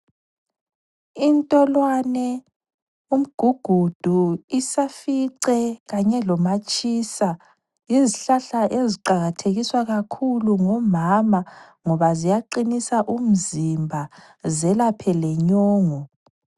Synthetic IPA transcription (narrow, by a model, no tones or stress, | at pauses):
intʼɔlwanɛ | um̩ɡ̥ʱuɡ̥ʱud̥ʱuisafiǀɛɣaɲɛlɔmat͡ʃʼisa | jeziɬaɬaʔeziǃaɣatʰeɣiswaɣakʰuluŋɔmama | ŋɔβazijaǃinisaʔum̩zimbʱa | zɛlapʰɛlɛɲɔːŋɔ